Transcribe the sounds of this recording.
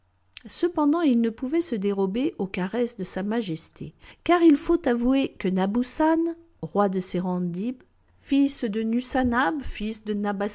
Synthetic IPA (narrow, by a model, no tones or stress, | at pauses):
səpɑ̃d̪ɑ̃ilnəpuvɛsəd̪eʁɔbeʔokaʁɛsd̪əsamaʒɛst̪ʰekaʁilfot̪avuekənabusan | ʁwad̪əseʁɑ̃d̪ib | fisd̪ənysanabfisd̪ənaba